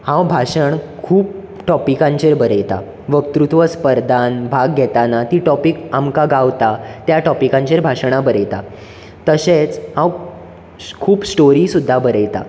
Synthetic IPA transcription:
hãwbʱaɕəɳkʰuːp̚ | ʈɔpikãɲt͡ɕeɾbəɾəjt̪a̰ | ʋək̚t̪ɾut̪ʋəspəɾd̪ʱanbʱaɡːʱɛt̪anat̪iːʈɔpikamkaɡaʋt̪at̪jaʈɔpikãɲt͡ɕeɾbʱaʂɳ̃abəɾəjt̪a̰ | t̪əset͡shãw | kʰuːpsʈoɾiːsud̪ʱːabəɾəjt̪a̰

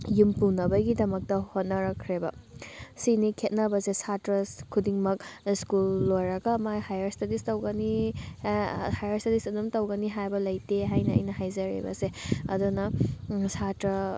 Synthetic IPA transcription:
jumpunɐbɐɡidɐmɐk̚tɐhot̚nɐɾɐkʰɾebɐsinikʰet̚nɐbɐsesatɾɐkʰudiŋmɐk̚skulːojɾɐɡɐmahajɐɾstedistɐwɡɐni | hajɐɾstedisunumtɐwɡɐniɦajbɐlɐjteɦajnɐɐ̰jnɐɦajzɐɾḭbɐ̰seɐ̰dunɐsatɾɐ

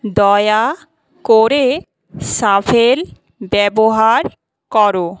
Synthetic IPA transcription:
d̪ɔja | koɾe | safʰel | bɛboɦaɾ | kɔɾo

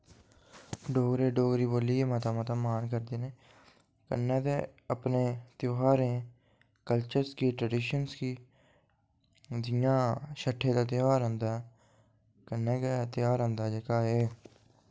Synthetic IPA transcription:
ɖoːɡɾeːɖoːɡɾiːboːliːeːmat̪aːmat̪aːmaːnkəɾd̪eːneː | kə̰nːẽːt̪eːəpneːt̪joːɦaːɾẽː | kəlt͡ʃəɾskiːʈɾəɖɪːʃənskiː | d͡ʒ̪ɪjãːʃəʈʰːeːt̪aːt̪ɪjaːɾə̃nd̪aː | kənːẽːket̪ɪjaːɾə̃nd̪aːd͡ʒəkaːeː

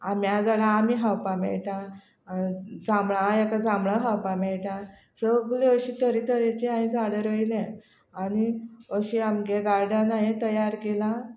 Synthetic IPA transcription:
amjad͡zaɽaːmiːɦawpamɛ̰ɭʈã | d͡zamɭajakad͡zamɭəɦawpamɛɭʈã | səɡleəɕit̪əɾit̪əɾet͡ɕiãĩd͡zaɽəɾʋəjlɛ̃ | aniəɕiamɡeɡaɾɖəɾnajet̪əjaɾkela

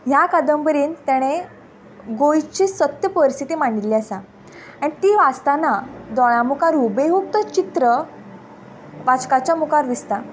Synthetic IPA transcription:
ɦjakad̪əmbəɾiːnt̪jɛɽ̃e | ɡojt͡ɕisət̪jəpəɾist̪ʰit̪imaɳɖiliasa | añit̪iːʋast̪anad̪ɔɭãmukaɾubeɦuk̚t̪ət͡ɕit̪ɾə | ʋat͡ɕkat͡ɕamukaɾd̪ist̪a

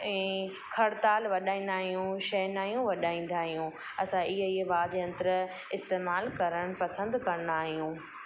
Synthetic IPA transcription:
ɛ̃ː | kʰɐɽt̪aːlʋɐɗaːĩːn̆d̪aːɦijũʃɐɦnaːjũʋɐɗaːĩːn̆d̪aːɦijũː | ɐsãʔɪɦiːɦʋaːd̪eɐ̃nt̪əɾ | ɪst̪eːmaːlkɐɾəɽ̃pɐsə̃nd̪kɐɾ̃naːɦijũː

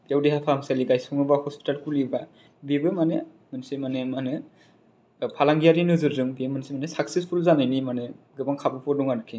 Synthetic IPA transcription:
bijawdihapʰamsaliɡajsɔŋɯbahɔspi̥talkuliba | bibɯmane | mɯnsimanemanɯ | pʰalaŋɡijaɾinɯzɯɾzɯŋbimɯnsimanesak̚sispʰulzanajnimane | ɡɯbaŋkʰabɯpʰɔduŋaɾɯkʰi

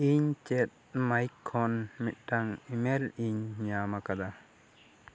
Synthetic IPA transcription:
iɲt͡ʃet̚majkʰːɔnmit̪̚ʈaŋimeliɲɲamakad̪a

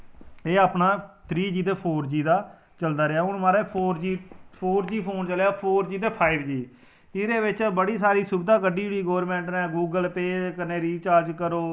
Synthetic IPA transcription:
eːaːpnãːt̪ʰɾiːd͡ʒiːt̪eːpʰoːɾd͡ʒiːd̪aː | t͡ʃəld̪aːɾeaːɦʊɳmaːɾeːpʰoːɾd͡ʒiːpʰoːɾd͡ʒiːpʰoːnt͡ʃəlejaːpʰoːɾd͡ʒiːt̪eːpʰaːɪbd͡ʒiː | ɪɾeːʋɪt͡ʃbəɽiːs̬aːɾiːsʊbd̪ãːkəɖiːʋiːɡoːəɾmɛ̃ːɳʈnɛ̃ːɡuːɡəlpeːkəneːɾiːt͡ʃaːɾd͡ʒkəɾoː

